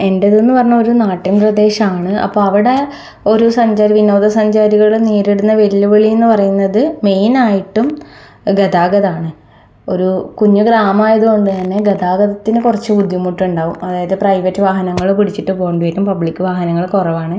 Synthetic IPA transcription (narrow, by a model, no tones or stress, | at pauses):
e̞ndeðenːuɨpɐrɐɲːɐo̞ɾunaːʈːinprɐd̪e̞ːɕɐmaːɳɨɐ̰pːo̞ːɐʋiɽe | o̞ɾusɐɲd͡ʑaːɾɐʋino̞ːðɐsɐɲd͡ʑaːɾiɣɐɭuɽeniːɾeɽunːɐʋe̞liːuʋeɭienːɨpɐrɐjunːɐðɨme̞jnaːjiʈːum | ɡeðaːɡɐðaːɳɨ | o̞ɾukuɲːuɡɾaːmaːjɐðuɣo̞ɳɖɨt̪ɐnːe̞ɡɐðaːɡɐðɐt̪ːinɨkurɐt͡ɕːɨbud̪jɐmːuʈːuɳɖaːʋumɐðaːjɐðɨprɐjʋɐtːɨʋaːɦɐnɐŋːɐɭupiɽit͡ɕːiʈːɨpoːɳɖuʋitːumpɐbɭikʲːɨʋaːɦɐnɐŋːɐɭkurɐʋaːɳɨ